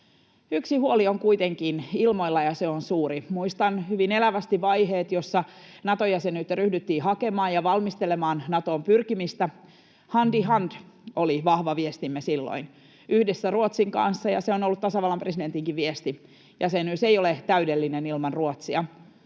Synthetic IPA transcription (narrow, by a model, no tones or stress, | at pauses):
yksihuolioŋkuit̪eŋkinilmoilːɑjɑseonsuːɾimuist̪ɑnhyʋinelæʋæst̪iʋɑjɦeːt̪josːɑ | nɑt̪ojɑsenyt̪ryhdyt̪ːiːɦɑke̞mɑːjjɑʋɑlmist̪ele̞mɑːnnɑt̪o̞ːmpyrkimist̪æ | hɑndiɦɑnd̥oliʋɑhʋɑʋiest̪imːesilːo̰in | yhdesːæruot̪siŋkɑ̰nsːɑjɑ̰seonolːut̪tɑsɑʋɑlːɑmpresident̪iŋkiʋʋiest̪i | jɑsenysejolet̪æydelːinenilmɑnruot̪siɑ